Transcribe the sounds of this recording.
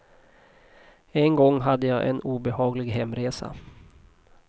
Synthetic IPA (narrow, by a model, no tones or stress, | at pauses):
ɛnɡɔŋːɦad̪ːəjaːʔɛ̰nuːbɛhɑːɡlɪɡɦɛmːɾeːsa̰